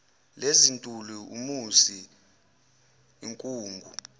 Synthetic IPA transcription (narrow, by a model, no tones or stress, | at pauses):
lezintʼuluṵmusi | iŋkʼuːŋɡʱu